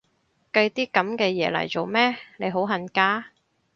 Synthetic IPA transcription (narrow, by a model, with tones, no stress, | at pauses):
kɐ˧jt̪iː˥kɐ˨˥mkɛː˧jɛː˨˧lɐ̰˨˩jt͡so˨wmɛː˥ne˨˧jɦo˨˥wɦɐ˨˩nkaː˥